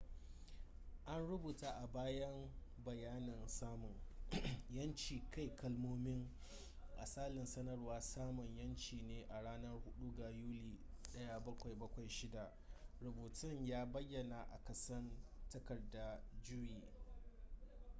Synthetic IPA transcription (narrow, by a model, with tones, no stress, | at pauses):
ʔa˦nɽʊ˦buː˨taː˦ʔa˨baː˦jɐ˦mbɐ˨jaː˦nɪ˨nsaː˦mʊ˨ŋ | jɐ˦nt͡ʃiː˨ka˦˨jkɐ˦lmoː˦mɪ˦ŋ | ʔa̰˨saː˦lɪ˨nsɐ˦nɐ˦˨rwaː˦saː˦mʊ˨ɲjɐ˦nt͡ʃiː˨neː˦ʔa˨ɽaː˦nɐ˦rhʊ˦ɗu˦ɡa˨juː˦liː˨ | ɗɐ˦ja˨bɐ˦kʷa˨jbɐ˦kʷa˨jʃɪ˦da˨ | ɾʊ˨buː˨tʰɪ˦ɲjaː˦bɐ˦jːɐ˨na˨ʔa̰˨kɐ˦sɐ˦ntɐ˦kɐ˨rda˦d͡ʒɪ˦ɾiː˨